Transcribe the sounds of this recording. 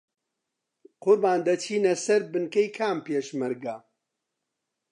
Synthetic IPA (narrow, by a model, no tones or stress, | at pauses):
qʊɾbaːnd̪ɐt͡ʃʰiːnɐsɐɾbɨnkɐjkʰaːmpeːʃmɐɾɡa